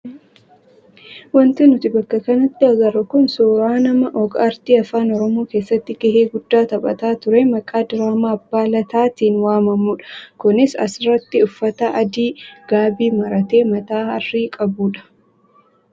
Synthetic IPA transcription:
wɐnt̪ɪnʊt̪ɪbɐkːɐkɐnɐt̪ːɪɐɡɐɾɐkʊnsoːɾaːnɐmɐʔɔɡɐɐɾt̪iːɐfaːnɔɾɔmoːke̞ːsːɐt̪ːɪɡɐɦeːɡʊd̪ːaːt̪ɐbʼɐ̰t̪aːt̪ʊɾɛmɐkʼaːd̪ɪɾaːmaːɐbːaːlɐt̪aːt̪iːnwaːmɐmuːᶑɐ̥kʊnɪsɐ̰sɪrɐt̪ːɪʊfːɐt̪ɐʔɐd̪iːɡ̥aːbiːmɐɾɐt̪e̞ːmɐt̪aːɐrːiːkʼɐbuːᶑɐ̥

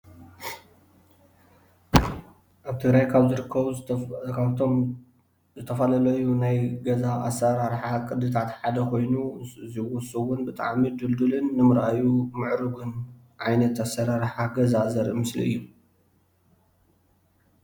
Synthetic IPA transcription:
ʔaβt̪ʰɨɡɾajkʰaβzɨɾɨkʰːɐβu | βt̪ʰom | zɨt̪ʰɐfɐlɐlɐjunajɡɐzaasːɐɾaɾħakʼɨd̪ɨt̪ʰat̪ħad̪ɐkʰo̞jnuziwɔsɨwʊnbɨt̪ʼa̰ʕmid̪ɨld̪ulɨnːɨmɨɾʔajumɨʕɾɨɡɨn | ʕajnɐt̪asɐɾaɾħaɡɐzazɐɾmɨslḭɨ̰jːu

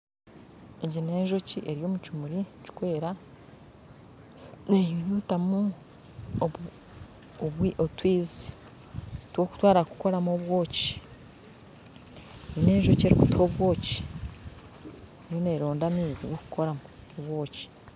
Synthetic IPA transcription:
eɟine̞ːɲʒo̞ciʔe̞ɾijo̞ːmucumuɾici̥kwe̞ːɾa | nejujuːtamu | oβwiʔotwiːzi | twoku̥twaːɾaku̥ko̞ɾamoβwo̞ːci̥ | nine̞ːɲʒoce̞ɾikutoβwo̞ːci̥ | ejoneɾo̞ːndamiːziwoku̥ko̞ɾamu | oβwo̞ːci̥

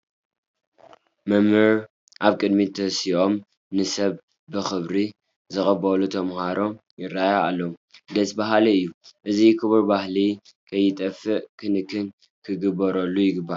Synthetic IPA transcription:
mɐmɨɾ | ʔaβkʼɨd̪mit̪ʰɐsiʔo̞m | nɨsɐβ | bɨxɨβɾi | zɨxʼɐbɐlut̪ʰɐmhaɾo̞jɪɾːajaalːɐud̪ɐsbaɦaliɨjːuʔɨzikʰɨβɨɾbahli | kʰɐjːɪt̪ʼɐfɨʔkʰɨnɨkʰːɨn | kʰɨɡɨbɐɾɐlːujɪɡɨbːa

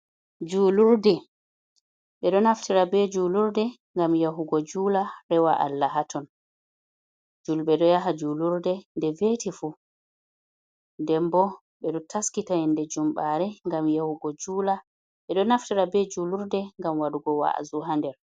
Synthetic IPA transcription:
d͡ʒuːluɾdɛ | ɓɛɗɔnaftiɾabɛd͡ʒuluɾdɛ | ŋɡamjaɦuɡɔd͡ʒuːlaɾɛwaʔa̰lːaɦatʰɔn | d͡ʒulɓɛɗɔjaɦad͡ʒuːluɾdɛndɛvetifu | ndɛmbɔ | ɓɛɗɔtʰaskitajɛndɛd͡ʒumɓaɾɛŋɡamjahuɡɔd͡ʒuːla | ɓɛɗɔnaftiɾabɛd͡ʒuluɾdɛŋɡamwaɗuɡɔwa̰ʔa̰zuɦandɛɾ

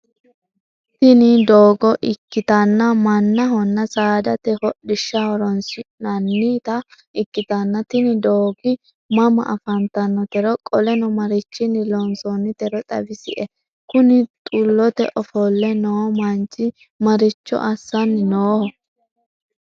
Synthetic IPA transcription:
t̪ɪnɪd̪oːɡɔʔɪkːɪt̪ɐnːɐmɐnːɐɦɔnːɐsaːd̪ɐt̪ɛhɔɗɪʃːɐhɔɾɔnsɪnɐnːiːt̪ɐ | ɪkːɪt̪ɐnːɐt̪ɪnɪd̪oːɡɪ | mɐmɐ̰ʔɐfɐnt̪ɐnːɔt̪ɛɾɔkʼɔlɛnɔmɐɾɪt͡ʃːɪnːɪlɔnsɔnːɪt̪ɛɾɔt̪ʼɐ̰bɪsɪ̰ʔɛ | kʊnɪt̪ʼulːɔt̪ɛ̰ʔɔfɔlːɛnoːmɐnt͡ʃʼːɪ | mɐɾɪt͡ʃːɔ̰ʔɐsːɐnːɪnoːhɔ

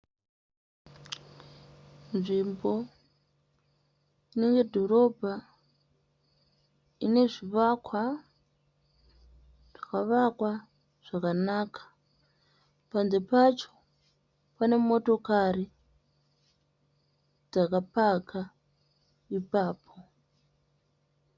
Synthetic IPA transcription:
nʐimbo̞ | ineŋɡe̞dʱo̞ɾo̞bʱa | ine̞ʐiʋakʰwa | ʐ̥akaʋakwa | ʐ̥akanaːkʰḁ | pand͡ze̞pat͡ʃo | pane̞mo̞to̞kaɾi | d͡zakapakʰa | ipaːpʰo

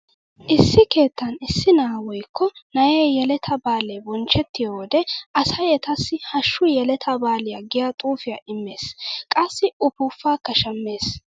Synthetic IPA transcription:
ʔɪsːɪke̞ːt̪ːɐnɪsːɪnaːwɔjkːɔnɐjeːjɛlɛt̪ʰɐbaːlebɔnt͡ʃːɛt̪ːɪjoːd̪ɛʔɐsɐjɛt̪ɐsːɪhɐʃːʊjɛlɛt̪ʰɐbaːlɪjaɡɪjat̪ʼuːfɪja̰ʔɪmːe̞ːskʼɐsːɪʊpʊfːaːkːɐʃɐmːe̞ːs

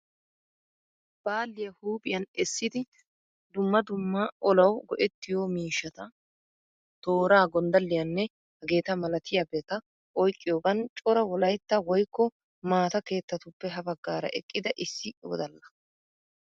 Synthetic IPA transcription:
b̥aːlːɪjɐhuːpʼɪjɐnɛsːɪd̪ɪ | d̪ʊmːɐd̪ʊmːɐʔɔlɐwɡɔ̰ʔɛt̪ːɪjoːmiːʃːɐt̪ɐ | t̪o̞ːɾaːɡɔnd̪ɐlːɪjɐnːɛ | hɐɡe̞ːt̪ɐmɐlɐt̪ʰɪjabeːt̪ɐ | ʔɔjkʼːɪjoːɡɐnt͡ʃʼɔɾɐwɔlɐjt̪ːɐwɔjkːɔ | maːt̪ɐke̞ːt̪ːɐt̪ʊpːɛɦɐbɐɡːaːɾɐ̰ʔɛ̰kʼːɪd̪ɐʔɪsːɪʔo̰ːd̪ɐlːɐ̥

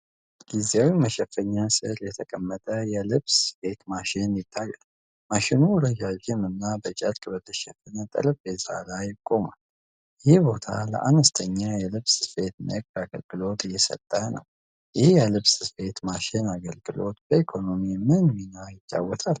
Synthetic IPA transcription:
ɡ̥izawiməʃɛfːəɲːasɨ̰ɾjɛt̪ʰəkʼəmːət̪ʼəjɛlɨβsfe̞t̪maʃɪnjɪt̪ʼːajːal | maʃɪnuwɾəd͡ʒad͡ʒɪmɨnːabət͡ʃʼəɾkʼɨbət̪ʰəʃɛfɨnət̪ʼɨ̰ɾəbbeza̰lajɪkʼːo̞ma̰l | jɪhibo̞t̪ʰa̰lə̰ʔanəst̪ʰəɲːajɛlɨβsfe̞t̪nə̰kʼɾaɡə̰lɡɨlo̞t̪ʰjɛsə̰t̪ʼːənə̰w | jɪhjɛlɨβsfe̞t̪maʃɪnaɡəlɡɨlo̞t̪bəikʰo̞no̞mimɨnminajɪt͡ʃʼːa̰wːɔt̪ʰal

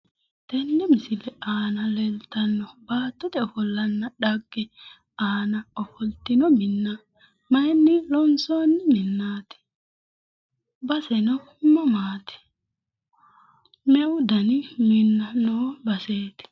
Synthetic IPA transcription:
t̪ɛnːɛmɪsɪlɛaːnɐlɛlt̪ɐnːɔbaːt̪ːɔt̪ɛɔfɔlːɐnːɐᶑɐɡːɛ | aːnɐɔfɔlt̪ɪnɔmɪnːɐ | mɐjnːɪlɔnsoːnːɪmɪnːaːt̪ɛ̥ | bɐsɛnɔhʊmːɐmaːt̪ɛ̥ | mɛwd̪ɐnɪmɪnːɐnowbɐseːt̪ɪ̥

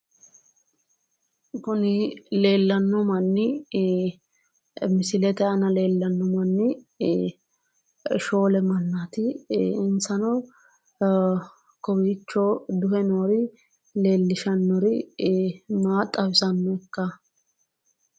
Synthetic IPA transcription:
kʊnɪle̞ːlːɐnːɔmɐnːɪ | mɪsɪlɛt̪ɛɐnɐle̞ːlːɐnːɔmɐnːɪ | ʃo̞ːlɛmɐnːat̪ɪɪnsɐnɔ | kɔwiːt͡ʃːɔd̪ʊhɛnoːɾɪ | le̞ːlːɪʃɐnːɔɾɪ | maːt̪ʼːɐwɪsɐnːɔɛkːɐ

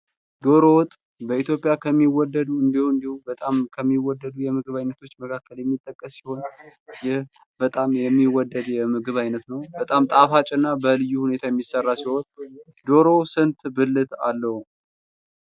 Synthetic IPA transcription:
d̪o̞ɾo̞wʊt̪ʼ | bəit̪jo̞pʼːjakʰəmːiwɔd̪ːəd̪uɨnd̪ihuɨnd̪ihubət̪ʼamkʰəmːiwɔd̪ːəd̪ujɛmɨɡɨβajnːət̪ʰo̞t͡ʃːməkʰakːəljɛmːit̪ʼːəkʼːəsːi̥ho̞njɪh | b̥ət̪ʼamjɛmːiwɔd̪ːəd̪jɛmɨɡɨβajnət̪nəwbət̪ʼamt̪ʼafat͡ʃʼɨnːabəlɨjːuhune̞t̪ʰajɛmːisərːasiho̞n | d̪o̞ɾo̞sɨnt̪bɨlːɨt̪a̰lːəhu

